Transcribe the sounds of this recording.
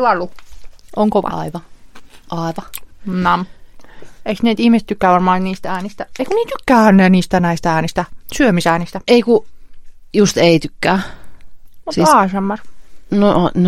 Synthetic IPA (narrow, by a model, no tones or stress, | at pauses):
ɑlːuʔoŋkoʋɑ̰ɑ̰iʋɑʔɑˑiʋɑnɑm | eiksneːt̪ihmiset̪ykːæːʋɑrmɑːnt̪niːst̪æːnist̪æeikuniːt̪ykːæːæːnːeːniːst̪ænæist̪ææːnist̪æsyømisæːnist̪æeiku | just̪eˑit̪ykːæː | mutsiɑːsɑmːɑrnon